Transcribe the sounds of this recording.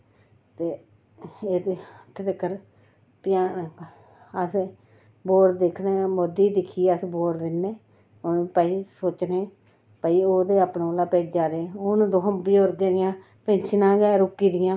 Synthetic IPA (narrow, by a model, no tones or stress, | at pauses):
t̪eː | eːd̪t̪ʰːeːt̪əkːəɾ | pjaː | əs | boːɾʈd̪ekʰneːmod̪iːd̪ɪkʰiːəsboːʈd̪ɪnːeː | onpəiːsoːt͡ʃneː | pəiːoːd̪eːapnːoːlaːpeːd͡ʒaːd̪eːʊnd̪oɦəmbiːoːɾɡeːɾɪjãː | pɪ̃nt͡ʃʰnãːɡɛːɾʊkːiːd̪ɪjãː